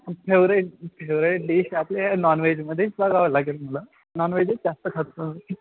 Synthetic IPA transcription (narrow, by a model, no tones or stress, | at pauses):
pʰeʋɾeʈpʰeʋɾeɖiɕaplanɔnʋed͡ʑməd̪ʱːjet͡sbaɡaʋlaɡelməla | nɔnʋed͡ʑezast̪əkʰat̪səni